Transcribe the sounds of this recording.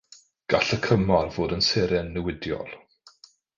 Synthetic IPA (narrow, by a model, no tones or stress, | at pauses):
ɡ̥aɬəkʰəmɔrvoːdənsɛːɾɛnːəwɪdjɔ̰lˠ